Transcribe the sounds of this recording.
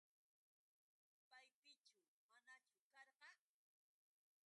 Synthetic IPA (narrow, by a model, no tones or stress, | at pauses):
pajpɪt͡ʃaw | manat͡ʃʊkɑɾɢɑ